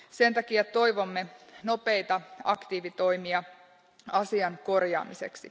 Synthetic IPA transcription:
se̞nt̪ɑkiæt̪o̞jʋo̞mːeno̞pe̞jt̪ɑɑkt̪iːʋit̪o̞ijmiɑ | ɑsiɑŋko̞rjɑ̰ːmise̞̰ksi

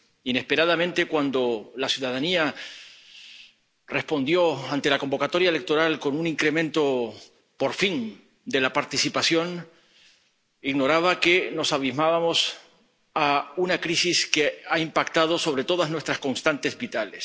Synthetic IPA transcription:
ine̞spe̞ɾaðamẽ̞nt̪e̞kwand̪o̞lasjuðaðania | re̞spo̞nd̪jo̞ant̪e̞lako̞mbo̞kat̪o̞ɾjaele̞k̚t̪o̞ɾalko̞nuniŋkɾemẽ̞nt̪o̞ | po̞ɾfin | d̪e̞lapaɾt̪isipasjo̞n | iɣno̞ɾaβake̞no̞saβizmaβamo̞s | aunakɾisiskeaimpakt̪aðo̞so̞βɾe̞t̪o̞ðaznwest̪ɾasko̞nst̪ant̪e̞zβit̪ales

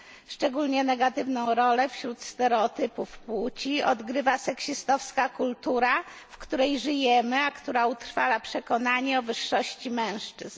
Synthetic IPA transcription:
ʂt͡ʂɛɡulɲɛnɛɡat̪ɘvnɔ̃w̃ɾɔlɛfɕɾut̪st̪ɛɾɛɔt̪ɘpufpwut͡ɕiɔ̰d̪ɡɾɘvasɛkɕist̪ɔfskakult̪uɾa | fkt̪uɾɛjʐɘjɛmɘakt̪uɾaut̪ɾfalapʂɛkɔnaɲɛɔvɘʂːɔɕt͡ɕimɛ̃w̃ʂt͡ʂɘz̥n

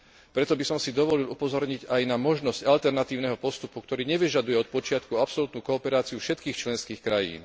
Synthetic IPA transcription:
pɾɛt̪ɔbisɔmsid̪ɔʋɔlilupɔzɔɾɲiɟajnamɔʒnɔscalt̪ɛɾnat̪iːʊnɛɦɔpɔst̪upukt̪ɔɾiːɲɛʋiʒad̪ujɛɔt̪̚pɔt͡ʃɪat̪kuapsɔlut̪nuːkɔːpɛɾaːt͡siufʃɛt̪kiːxt͡ʃlɛnskiːxkɾajḭːn

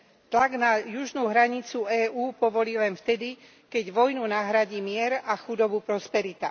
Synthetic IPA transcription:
t̪laɡnajuʒnuɦɾaɲit͡suɛːuːpɔʋɔliːlɛnft̪ɛd̪i | kɛɟʋɔjnunaɦɾaɟiːmɪɛɾaxud̪ɔbupɾɔspɛɾit̪a

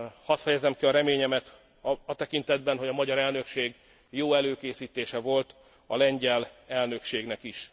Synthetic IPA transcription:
hɒt̪fɛjɛzɛmkiɒɾɛmeːɲɛmɛt̪ | ɒt̪ɛkint̪ɛd̪bɛnɦo̞ɟɒmɒɟɒɾɛlnø̞kʃeːɡ | joːɛløːkeːsiːt̪eːʃɛvo̞lt̪ | ɒlɛɲɟɛlɛlnø̞kʃeːɡnɛkiʃ

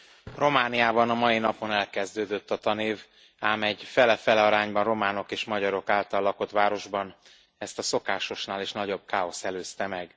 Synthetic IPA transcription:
ro̞maːnijaːbɒnɒmɒinɒpo̞nɛlkɛzd̪øːd̪øt̪ːɒt̪ɒneːv | aːmɛɟfɛlɛfɛlɛɒɾaːɲbɒnromaːno̞keːʃmɒɟɒɾo̞kaːlt̪ɒlːɒko̞t̪ʋaːɾo̞ʒbɒn | ɛst̪ɒso̞kaːʃo̞ʃnaːleːʃnɒɟo̞b̚kaːo̞sɛløːst̪ɛmɛɡ

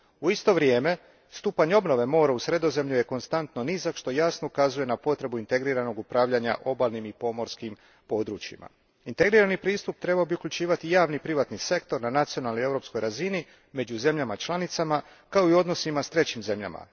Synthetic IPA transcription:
uist̪o̞ʋɾje̞ːme̞ | st̪uːpaɲo̞bno̞ʋe̞mo̞ːɾausɾe̞d̪o̞ze̞mʎuje̞ko̞nst̪ant̪no̞nizakʃt̪o̞jasno̞ukazuje̞napo̞t̪ɾe̞buint̪e̞ɡɾiɾano̞ɡupɾaːʋʎaɲa̰ʔo̞baːlˠnimipo̞mo̞ɾskim | po̞d̪ɾut͡ʃḭma̰ | int̪e̞ɡɾiːɾanipɾiːst̪up̚t̪ɾe̞baobiukʎʲut͡ʃiːʋat̪ijaːʋnipɾiʋat̪nise̞kt̪o̞ɾnanat̪sio̞nalnoie̞vɾo̞psko̞jɾazini | me̞d͡ʑuze̞mʎamat͡ʃlˠanit̪sama | kao̞io̞d̪no̞simast̪ɾe̞t͡ɕimze̞mʎa̰ma̰

